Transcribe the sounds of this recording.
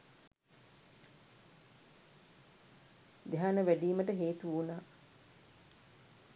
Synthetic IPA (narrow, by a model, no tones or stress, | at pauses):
d̪eɦaːnəʋæɖiːməʈəɦeːt̪uunaː